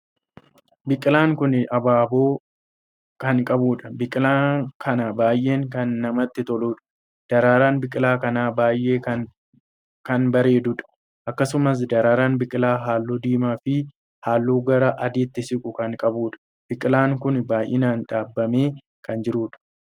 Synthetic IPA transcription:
bɪkʼːɪlaːŋkʊnʔɐbaːboː | kɐŋkʼɐbuːᶑɐbɪkʼɪlaːkʰɐnabaːjʔe̞ːŋkɐnːɐmɐt̪ːɪt̪ɔluːᶑɐ̥ | d̪̥ɐɾaːɾaːnbɪkʼːɪlaːkɐnaːbaːjʔe̞ːkɐ | kɐnbɐɾe̞ːd̪ʊᶑɐ̥ | ʔɐkːɐsʊmɐs̬d̪ɐɾaːɾaːnbɪkʼɪlaːɦaːlːuːd̪iːmaːfɪ | haːlːuːɡɐɾɐʔɐd̪iːt̪ːɪsɪkʼʊkɐŋkʼɐbuːᶑɐ̥ | b̥ɪkʼɪlaːŋkʊnbaːjʔɪ̰naːnᶑaːbːɐme̞ː | kɐnd͡ʒɪɾuːᶑɐ̥

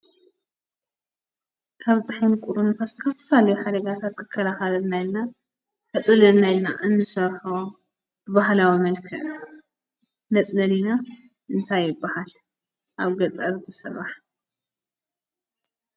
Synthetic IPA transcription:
kʰaβzʼɨħinkʼuɾunfaskʰaβt̪ʰɐ̥falɐjuħad̪ɐɡat̪ʰat̪kʰɨkʰːɐlaxɐlɐnajilna | kʰɐt͡sʼɐlɐnajlnaʔɨnːɨsɐɾħo | b̥ɨβaɦlawimɐlkʰɐʔ | nɐt͡sʼnɐlina | ʔɨnt̪ʰajːɪbːahal | ʔaβɡɐt͡s̪ʼɐɾzɨsɨraħ

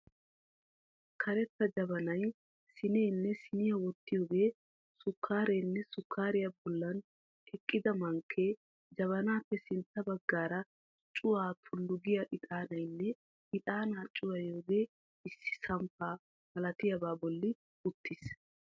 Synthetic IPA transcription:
kʰɐɾɛt̪ːɐd͡ʒɐbɐnɐj | sɪneːnːɛsɪnɪjɐwɔt̪ːɪjoːɡe̞ː | sʊkʰːaːɾeːnːɛsʊkʰːaːɾɪjɐbɔlːɐn | ɛkʼːɪd̪ɐmɐŋkʰːeː | d͡ʒɐβɐnaːpːɛsɪnt̪ːɐbɐɡːaːɾɐ | t͡ʃʼʊwaːt̪ʰʊlːʊɡɪjɐʔɪt̪ʼaːnɐjnːɛ | ɪt̪ʼaːnaːt͡ʃʼːʊwɐjoːɡe̞ː | ɪsːɪ̥sɐmpaː | mɐlɐt̪ɪjɐbaːbɔlːɪ | ʊt̪ːɪs

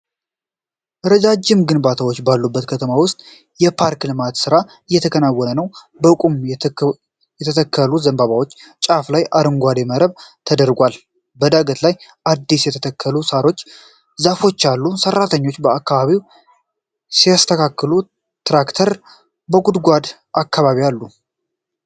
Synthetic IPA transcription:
ʔɨɾəd͡ʒad͡ʒːɪmɡɨnbat̪ʰawo̞t͡ʃːbalːubːət̪kʰət̪ʰəmawʊst̪ʼ | jɛpʰaɾklɨmat̪sɨɾa | ɨjːɛt̪ʰəkʰənawːɔnənəw | bəkʼum | jɛt̪ʰət̪ʰəkʰːəluzəmbaβawo̞t͡ʃːt͡ʃʼaflajʔaɾɨŋɡʷad̪eməɾəβt̪ʰəd̪əɾɡʷal | bəd̪aɡət̪lajʔad̪ːisjɛt̪ʰət̪ʰəkʰːəlusaɾot͡ʃː | zafo̞t͡ʃːalːusərːat̪ʰəɲːo̞t͡ʃːbəakːaβaβiw | sijast̪ʰəkʰakːɨlu | t̪ɾakt̪ʰəɾ | bəɡud̪ɡʷad̪ | ʔakʰːaβaβialːu

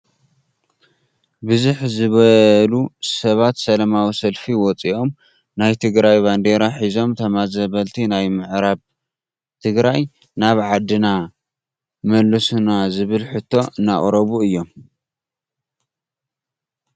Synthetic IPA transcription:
bɨzuħzɨβɐlusɐβat̪sɐlɐmawisɐlfiwɔt͡sʼiʔo̞m | najt̪ʰɨɡɾajband̪e̞ɾaħizo̞mt̪ʰɐmazɐβɐlt̪ʰinajmɨʕɾaβ | t̪ʰɨɡɾaj | naβʕad̪ɨna | mɐlːɐsunazɨβɨlħɨt̪ʰːo̞ʔɨnːa̰χʼɾɐβuɨjːo̞m

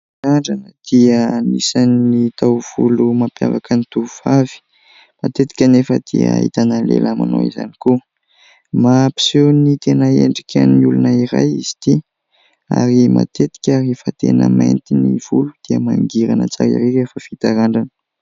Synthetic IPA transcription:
ɾaɳɖ͡ʐanəd̪̥iənisanːit̪awv̥ulumapja̰vakənit̪uvavi̥ | mat̪et̪i̥kʲanefəd̪̥ia̰ɦit̪anənlḛlʔamano̰iza̰niku | mapi̥senit̪enəeɳɖ͡ʐikʲaniulunaiɾa̰jizi̥t̪i | a̰ɾima̰t̪et̪i̥kʲaɾefət̪enəmajnt̪iniv̥ulud̪̥iəmaŋɡiɾanət͡sa̰ɾḭɾeefəfit̪aɾaɳɖ͡ʐanə̥

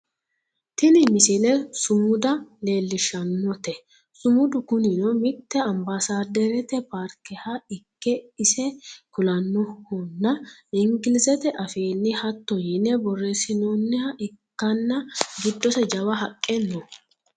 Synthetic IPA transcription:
t̪ɪnɪmɪsɪlɛsʊmʊd̪ɐle̞ːlːɪʃɐnːɔt̪ɛ | sʊmʊd̪ʊkʊnɪnɔmɪt̪ːɛɐmbasaːd̪ɛɾɛt̪ɛpaːɾkɛhɐɪkːɛɪsɛkʊlɐnːɔhɔnːɐɪŋɡɪlɪsɛt̪ɛʔɐfeːnːɪhɐt̪ːɔjɪnːɛbɔrːesɪnoːnːɪhɐʔɪkːɐnːɐɡɪd̪ːɔsɛd͡ʒɐwɐɦɐkʼːɛnːɔ

